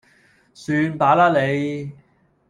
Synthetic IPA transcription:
syː˧npaː˨˥laː˥le˨˧j

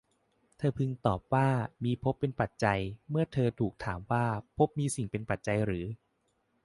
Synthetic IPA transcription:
t̪ʰɤː˧pʰɯ˧ŋt̪ɔː˨˩p̚waː˥˩miː˧pʰo˦˥pːe˧npa˨˩t̪̚t͡ɕa˧jmɯ˥˩ɐt̪ʰɤː˧t̪ʰuː˨˩k̚t̪ʰaː˩˦mwaː˥˩pʰo˦˥p̚miː˧si˨˩ŋpe˧npa˨˩t̪̚t͡ɕa˧jɾɯː˩˦

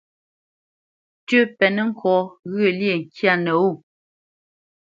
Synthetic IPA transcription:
tə˦pɛ˨nə˦ŋ̩˦kʰɔ˨˦ɣə˦˨lje˨ŋ̩˨kja˦˨nə˨u˦˨

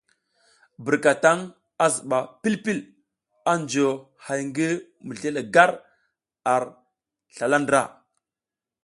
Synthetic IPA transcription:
bə˨ɾka˨ta˦ŋ | a˦zə˨ɓa˨pi˦lpi˦l | a˦nd͡ʒo˨ | ha˨jŋɡi˦ | mə˨ɮe˦le˨ɡa˦ɾ | a˨ɾ | ɬa˨la˦ndɾa̰˦˨

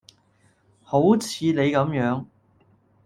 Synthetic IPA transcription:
ho˨˥wt͡sʰiː˨˧ne˨˧jkɐ˨˧˥mjœː˨˥ŋ

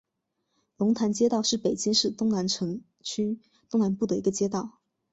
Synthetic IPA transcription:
lʊ˧˥ŋt̪ʰa˧˥nt͡ɕjɛ˥t̪ɑ˥˧ʊʂɻ̩˥˩pe˨˩ɪt͡ɕi˥ŋʂɻ̩˥˧t̪ʊ˥ŋna˧˥nʈ͡ʂʰɤ˧˥ŋ | t͡ɕʰy˥ | t̪ʊ˥˧ŋna˧˥npu˥˩d̪ə˩i˧˥ɡə˧t͡ɕjɛ˥t̪ɑ˥˩ʊ

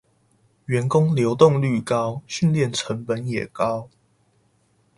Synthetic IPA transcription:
ɥɛ˨˦nkʊ˦ŋljo˨˧˦ʊt̪ʊ˥˨ŋly˥˨kɑ˦ʊɕy˥˨nljɛ˥˨nʈ͡ʂʰə˨˦ŋpə˨˦njɛ˨˩kɑ˦ʊ

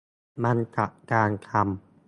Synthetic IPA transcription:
ma˧nt͡ɕa̰˨˩ʔkaː˧nkʰa˧m

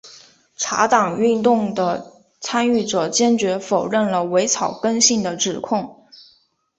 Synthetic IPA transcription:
ʈ͡ʂʰa̰˧˥t̪ɑ˨˩ŋy˥˧nt̪ʊ˥˩ŋd̪ə˩ | t͡sʰa˥ny˥˩ʈ͡ʂɤ˨˩t͡ɕjɛ˥nt͡ɕɥɛ˧˥fo˨˩ʊɻə˥˩nlə˩we˧˥ɪt͡sʰɑ˨˩ʊkə˥nɕi˥˩ŋd̪ə˩ʈ͡ʂɻ̩˨˩kʰʊ˥˩ŋ

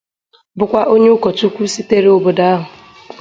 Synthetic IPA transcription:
bʊ˦kʷa˦ʔo˦ɲe˦ʊ˦kɔ˨tu˦kʷu˦si˦te˦ɾe˦o˨bo˨da˦a˦ɦʊ˨

